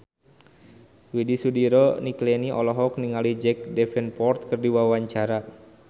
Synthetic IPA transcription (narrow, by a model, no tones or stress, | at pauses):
widisudiɾɔniklɛniʔɔ̰lɔɦɔk̚niŋalid͡ʒɛk̚dɛfɛnpɔrt̪̚kɨrdiwawaɲt͡ʃaɾa